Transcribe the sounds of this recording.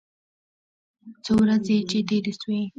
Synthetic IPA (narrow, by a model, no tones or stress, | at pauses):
t͡sowɾazet͡ʃed̪ed̪eswe